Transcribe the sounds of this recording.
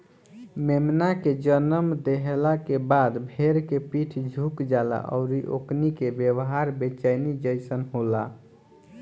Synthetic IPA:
memnaked͡ʒənəmd̪eɦelakebad̪bʱeɾkepiʈʰd͡ʒʱukd͡ʒala̰ʔɔ̰ʊɾiʔo̰knikebjewɦaɾbet͡ʃajnid͡ʒəɪsənɦola

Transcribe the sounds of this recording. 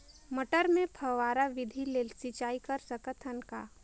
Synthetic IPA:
məʈəɾmẽpʰəʋaːɾaʋɪd̪ʱilelsɪt͡ʃaːikəɾsəkət̪ʰənka̰ː

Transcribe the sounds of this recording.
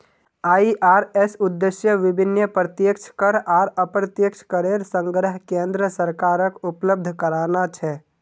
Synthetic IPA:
aːiʔaːɾɛsʊd̪ːeʃjəʋɪbʱɪnjəpɾət̪jəkt͡ʃʰkəɾaːɾəpɾət̪jəkt͡ʃʰkəɾeɾsə̃ŋɡɾəɦkẽːnd̪ɾəsəɾkaːɾəkʊpləb̚d̪ʱkəɾaːnat͡ʃʰɛ

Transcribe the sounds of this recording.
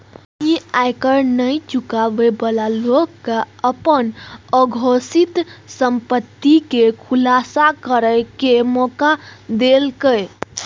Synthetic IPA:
iajkəɾnəjt͡ʃukabebəlalokːaəpənəɡʱosit̪səmpət̪ːikekʰulasakəɾəɪkemɔkad̪elkəj

